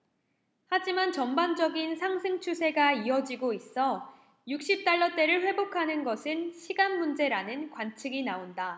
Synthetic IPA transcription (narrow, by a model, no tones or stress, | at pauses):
had͡ʑimant͡ɕʌmband͡ʑʌɡinsʰaŋsʰeŋt͡ɕʰusʰe̞ɡaiʌd͡ʑiɡois͈ʌ | juk̚ɕ͈ip̚t͈aɭːʌt͈e̞ɾɯɭɸwe̞bokʰanɯnɡʌsʰɯnɕʰiɡanmund͡ʑe̞ɾanɯnkwant͡ɕʰiɡinaonda